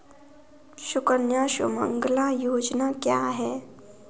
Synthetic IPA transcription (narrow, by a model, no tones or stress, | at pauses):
ɕukənjaɕṵmə̰ŋɡlajoːd͡znakjaɦɛ